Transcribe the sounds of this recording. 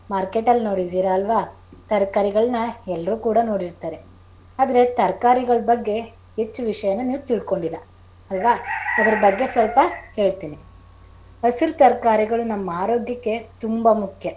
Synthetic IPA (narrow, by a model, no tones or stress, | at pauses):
maːɾkeːʈɐlːno̞ːɽid̪iːɾɐːlʋaː | t̪ɐɾkaːɾiɡɐɭɐnɐɛlːɐɾuːkuːɽɐno̞ːɽiɾt̪aːɾe̞ | aːd̪ɐɾe̞t̪ɐɾkaːɾiɡɐɭɐbɐɡːe̞ | ɦet͡ʃːuʋiʂɐjɐnːɐniːʋut̪iɭko̞ɳɖilɐ | ɐlʋaːɐd̪ɐɾɐbɐɡːe̞sʋɐlpɐhe̞ːɭt̪iːni | ɐsiɾt̪ɐɾkaːɾiɡɐɭunɐmːɐaːɾo̞ːɡ̪jɐkːe̞t̪umbɐmukʰjɐ